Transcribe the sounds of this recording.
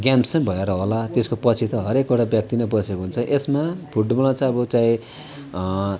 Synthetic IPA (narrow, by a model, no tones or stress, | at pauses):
ɡjamsʌ̃bʱʌeɾʌɦolat̪eskopʌt͡sʰit̪ʌɦʌɾekoɽabjʌk̚t̪inabʌsʰekoɦunt͡sʰʌʔesmapʰuɖbʌlãt͡sʌ̃ʌbʌt͡saĩ